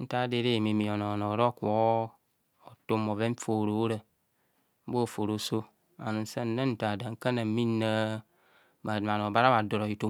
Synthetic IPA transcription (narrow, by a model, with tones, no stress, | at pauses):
n̩˦ta˦de˦ɾe˦˨mi˨mi˨o˨no˨no˨ɾo˦kʷo˨˦ | o˨to˦mo˨ve˦ɱ̩˦fo˨ɾo˨˦ɾə˨ | m̩˦bo˦˨fo˨ɾo˨˦so˦ | a̰˨nu˨n̩˦se˦n̩˦nə˦n̩˦ta˨da˨ŋ̩˦kə˦na˨m˦mi˦nə˦ | ba˨da˨ma˨n˨o˨ba˦ɾa˦ba˨do˨ɾo˨i˨˦to˦